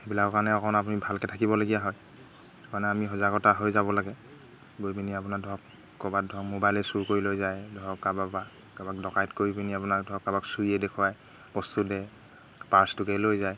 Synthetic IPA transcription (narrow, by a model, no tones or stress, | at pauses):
ebilakɔkanɛɔkɔnap̬unibʱalkɛtʰakibɔlaɡijaɦɔj | tɔkanɛamixɔzaɡɔtaɦojzabɔlaɡɛ | bojbiniapunadʱɔɔk | kːɔbadʱɔkmobajlɛsuɹkoɹilojzajdʱɔɔkababa | kabakdɔkajtkoibiniapunadʱɔɔk̚kabaksuiɛdɛkʰuwaj | bɔstudɛ | paɹstukɛlojzaj